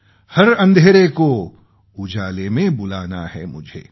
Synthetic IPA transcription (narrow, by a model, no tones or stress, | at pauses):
hɐɾɐ̃nd̪ʱeːɾeko | ʊd͡ʒaːlemẽbʊlaːnahɛmʊd͡ʒʱḛː